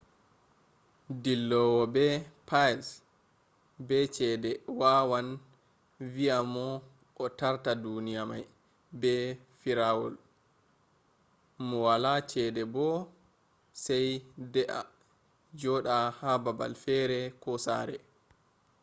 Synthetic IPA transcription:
dilːɔwɔbɛpals | bɛt͡ʃɛdɛwawan | viamɔ | ɔtaɾtadunijama̰j | bɛfiɾawɔl | mɔwalat͡ʃɛdɛbɔ | sɛjdɛʔa̰ | d͡ʒɔɗahababa̰lfɛɾɛkɔsa̰ːɾɛ

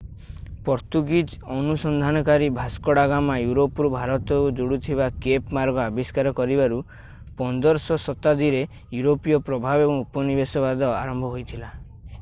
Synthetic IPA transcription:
pɔɾt̪uɡid͡ʒɔnusɔnd̪ʱanɔkaɾibʱaskɔɽaɡamajuɾopɾubʱaɾɔt̪ɔud͡ʒuɽut̪ʰibakepmaɾɡɔabiskaɾɔkɔɾibaɾu | pɔnd̪ɔɾɔsɔsɔt̪ad̪iɾe | juɾopijɔpɾɔbʱabebɔ̃ŋupɔnibesɔβad̪ɔaɾɔmbʱɔɦojt̪ʰila

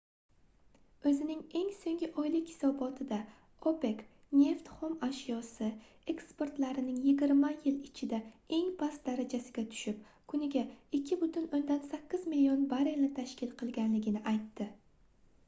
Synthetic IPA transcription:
ɵzɪnɪŋe̞ŋsoŋɡʲɪʔɒjlɪkʲhɪ̥sɒbɒt̪ʰɪd̪a | ope̞k | ne̞ft̪χomaʃjɒsɪ | e̞kspe̞ɾt̪laɾɪnɪŋjɪɡʲɪɾmajɪlɪt͡ʃʰɪd̪ae̞ŋpʰast̪d̪aɾad͡ʒasɪɡʲat̪ʰʊ̥ʃɪp̚kʰʊnɪɡʲaɪkʲʰːɪbʊt̪ʰʊnond̪ansakʲːɪzmɪlionbaɾelnɪt̪ʰaʃkʲɪlˠqʰɨlˠɡʲanlɪɡʲɪnɪʔajt̪ːɪ

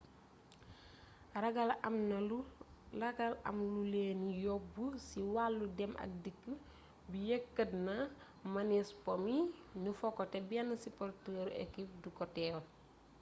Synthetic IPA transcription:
ɾɐɡɐlmn | lɐɡɐlɐ̰mluleːnijɔbusiwalːudɛmʔɐ̰k̚dikːə | bijekːətnɐ | mɐnispɔminufɔkɔtɛbɛnsipɔrtɛɾḛkip̚dukɔtɛːw

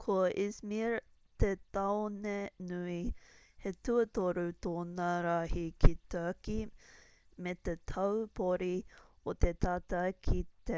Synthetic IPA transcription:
kʰoʔismiɾ | t̪et̪ɐonenuihetuət̪oɾut̪oːnɐɾahikʰit̪eɐki | met̪et̪ʰɐwpoɾiot̪et̪ʰat̪ɐkʰit̪e

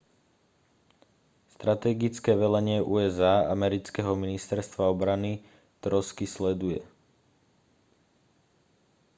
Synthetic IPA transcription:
st̪ɾʔat̪ɛːɡit͡skɛːʋɛlɛɲɪɛʔuːɛzaːamɛɾit͡skɛɦɔminist̪ɛɾst̪ʋaɔbɾani | t̪ɾɔskislɛd̪ujɛ

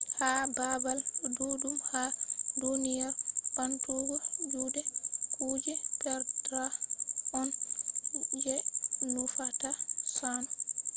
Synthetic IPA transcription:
hababaldudumhadunijaɾpantuɡɔd͡ʒuːdɛkʰuːd͡ʒɛpɛɾtaʔɔn | d͡ʒɛnufatasanɔ

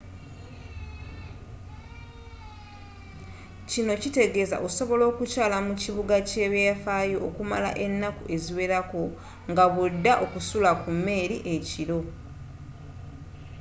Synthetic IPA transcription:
cino̞cite̞ɡe̞za̰ʔoso̞βo̞lo̞ːkucaːlamuciβuɡace̞ːβjefajoʔːkuma̰la̰ʔe̞nːakuʔe̞ziwe̞ɾako̞ | ŋɡaβudːaʔo̞kusulakumːe̞ːɾiʔe̞ciɾo̞

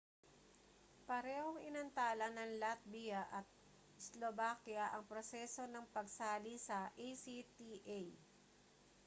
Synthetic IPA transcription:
pɐɾɛːhoŋɪnɐnt̪aːlɐnɐŋlat̪̚bijɐʔɐt̪̚ | ɪslobaːkjɐʔɐŋpɾosɛso̞nɐŋpɐɡsaːlisɐʔejsit̪iʔaj

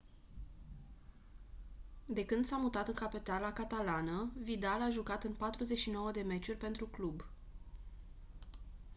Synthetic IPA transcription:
d̪e̞kɨnd̪samut̪at̪ɨŋkapet̪alakat̪alanəvid̪alaʒukat̪ɨnpat̪ɾuze̞t͡ʃʃino̞wəd̪e̞me̞t͡ʃurʲpe̞nt̪ɾuklub

